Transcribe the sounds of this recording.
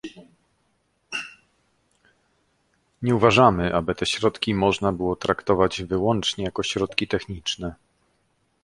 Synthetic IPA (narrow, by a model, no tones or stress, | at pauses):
ɲɛuvaʐamɘʔabɘt̪ɛɕɾɔt̪kʲimɔʐnabɘwɔt̪ɾakt̪ɔvad͡ʑvɘwɔnt͡ʂɲɛjakɔɕɾɔt̪kʲit̪ɛxɲit͡ʂnɛ